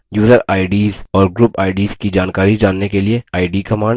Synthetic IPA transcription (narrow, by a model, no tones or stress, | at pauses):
juːzəɾaːɪɖiːzɔːɾɡɾuːpaːɪɖiːzkid͡ʒaːnkaːɾid͡ʒaːnːekelieaːɪɖiːkɐmãːɳ